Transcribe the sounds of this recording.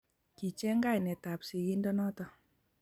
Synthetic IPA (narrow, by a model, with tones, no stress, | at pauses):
ki˨t͡ʃɛ˦ŋɡa˦jnɛ˨ta˨psi˨ɡi˦ndɔ˦nɔ˦tɔ˨